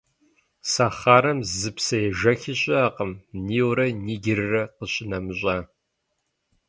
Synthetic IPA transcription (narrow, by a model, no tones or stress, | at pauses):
saχaːɾɐmzɨpsɐjɛʒɐxɪɕʼɪaːqəmniːwɾɐniːɡʲɪrɨrɐqəɕɪnɐmɨɕʼaː